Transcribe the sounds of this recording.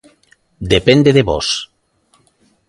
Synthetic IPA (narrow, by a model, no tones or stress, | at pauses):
d̪epend̪eðeβo̰s